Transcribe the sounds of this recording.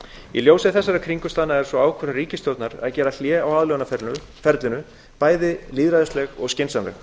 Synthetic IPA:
iljowsɪðθɛsːaɾakʰɾiŋkʏst̪aːðnaɛɾ̥sɔaːwkʰvœɾaɾiːcɪst̪jowt̪naɾa̰ðcɛːɾal̥jɛːawaːðlœwanafɛʏ | fɛɾt̪lɪnʏ | paːjðɪliːðɾaðʏstlɛɣɔɣscɪnsanvɛ̰x

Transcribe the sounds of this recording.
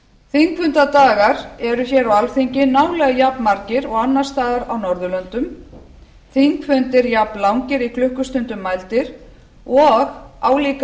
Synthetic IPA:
θiŋkfʏnt̪at̪aːɣaɾɛɾʏçɛɾawalθiɲcɪnawlɛɣajapnmaɾcɪɾɔɣanːḁst̪aːðaɾawnɔɾðʏlœnt̪ʏm | θiŋkfʏnt̪ɪɾjapnlawŋcɪɾikʰlʏhkʏst̪ʏnt̪ʏmːajlt̪ɪɾ̥ | ɔɣaːwliːk

